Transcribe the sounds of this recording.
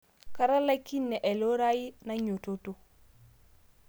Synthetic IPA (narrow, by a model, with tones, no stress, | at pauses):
ka˦ɾa˦la˦ki˦nːe˨ʔe˨lo˦ɾa˦ji˦na˦ɲo˨to˨to˦